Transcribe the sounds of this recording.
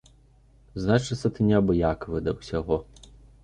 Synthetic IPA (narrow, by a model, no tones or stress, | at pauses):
znat͡ʂɪt̪sɐt̪ɨnʲabɨjakʋɨd̪ɐwsʲaɦɔ